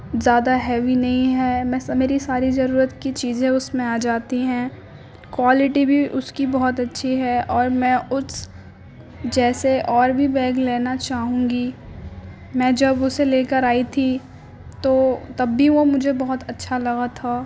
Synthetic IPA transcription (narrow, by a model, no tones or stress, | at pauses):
zjaːd̪aɦɛːʋinɐɦĩɦɛːmɛ̃ːsmeːɾisaːɾizɐɾuːɾət̪kit͡ʃiːzẽʊsmẽaːd͡ʒaːt̪iɦɛ̃ː | kwaːlɪʈibʱiʔʊskibɔɦʊt̪ɐtːʃʰiɦɛɔːɾmɛ̃ːʊs | d͡ʒɛːseʔɔːɾbʱibɛːɡleːnat͡ʃaːɦũːɡi | mɛ̃ːd͡ʒɐbʊseleːkəɾaːit̪ʰi | t̪oːt̪ɐbːiʋomʊd͡ʒʱebɐɦʊt̪ɐtːʃʰalɐɡat̪ʰːaː